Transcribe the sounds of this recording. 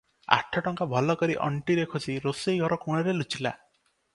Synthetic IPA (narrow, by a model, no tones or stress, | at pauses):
a̰ʈʰɔʈɔŋkabʱɔlɔkɔɾiʔɔ̰ɳʈiɾekʰosiɾosejɡʱɔɾɔkuɽ̃ɔɾelut͡ʃila̰